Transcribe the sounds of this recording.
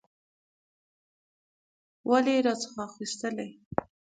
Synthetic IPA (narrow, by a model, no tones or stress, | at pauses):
wʔaleɾɑt͡sə̥xɑxist̪əlaj